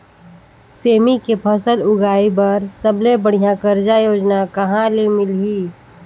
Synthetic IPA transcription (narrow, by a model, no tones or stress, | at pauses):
seːmikepʰəsəlʊɡaːibɐɾsəblebəɽ̤ijãkəɾd͡ʒajoːd͡ʒnakɐɦãlemɪlɦiː